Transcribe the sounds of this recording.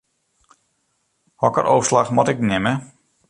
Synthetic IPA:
hɔkə̰ɾʔoːslaxmɔtɪknɪmə

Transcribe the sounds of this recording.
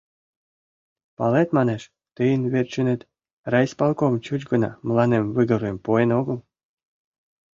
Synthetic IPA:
pɑlet̪mɑneʃ | t̪ɨjənβerʲt͡ɕənet̪ | rɑjsʲpɑlˠkomt͡ɕut͡ɕɡənɑ̰mlɑnemvɨɣə̆ɾuempoenoɡəl

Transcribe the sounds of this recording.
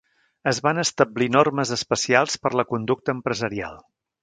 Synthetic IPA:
əzβanəst̪əblinorməzəspəsialˠspəɾləkund̪uk̚t̪əːmpɾəzəɾia̰lˠ

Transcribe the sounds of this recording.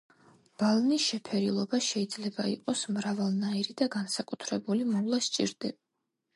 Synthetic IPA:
b̥alˠnisʃɛpʰɛɾilˠɔbaʃɛid̪zlɛbaḭqʼɔsmɾavalˠnaiɾid̪aɡansakʼut̪ʰɾɛbulimɔvlˠast͡ʃʼḭɾd̪ɛb

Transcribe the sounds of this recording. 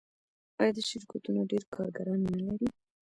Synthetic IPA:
ɑjɑd̪əʃɪɾkat̪unoɖeɾkʰɑɾɡaɾɑnːəlaɾi

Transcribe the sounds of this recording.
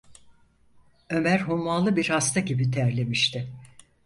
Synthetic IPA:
ø̞mæɾɦumːalˠɯbiɾhast̪ʰaɟibit̪ʰeɛɾlʲe̞miʃt̪ʰɪ

